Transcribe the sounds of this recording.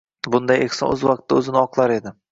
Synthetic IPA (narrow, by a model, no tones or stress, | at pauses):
bʊnd̪ajexsɒ̰nɵzvɑq̚t̪ʰːaɵzɪnɪɒqlˠaɾe̞d̪ɪ